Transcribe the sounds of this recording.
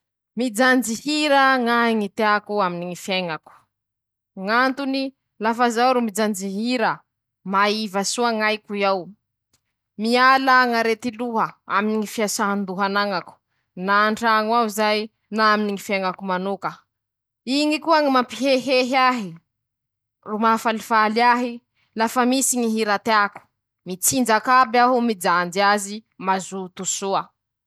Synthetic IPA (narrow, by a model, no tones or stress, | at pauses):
mid͡zand͡ʒihiɾəŋaiŋit̪eakuaminiŋifeŋaku̥ | ŋant̪uni | lafazawɾumid͡ʒand͡ʒiɦiɾə | maivasuaŋajkuiaw | mialaŋaɾet̪iluɦəa̰miniŋifiasaɦand̪uɦanaŋaku̥ | naːɳɖ͡ʐaŋwawzaj | naaminiŋifeŋakumanukə | iŋikuaŋimampiɦeɦeɦiaɦi | rumafalifaliaɦi | lafəmisiɲiɦiɾat̪eaku̥ | mit͡sind͡ʒakabaɦumid͡zand͡ziazimazut̪usuə